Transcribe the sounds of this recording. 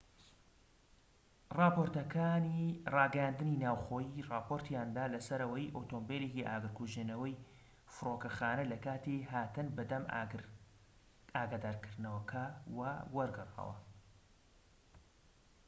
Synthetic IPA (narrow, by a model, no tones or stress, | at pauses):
rɑːpoɾt̪ɐkʰaːnirɑːɡɐjaːnd̪ɨninaːwxoːjirɑːpʰoɾt̪ʰjaːnd̪aːlɐsɐɾɐwɐjʔoːt̪ombeːlekiʔa̰ːɡɨɾkuʒenɐwɐj | fɨɾoːkɐxaːnɐlɐkaːt̪iɦaːt̪ɨnbɨd̪ɐm | aːɡaːd̪aːɾkʰɨɾd̪nɐwɐkʰɐwɐwɐɾɡɨrɑ̰ːwɐ̰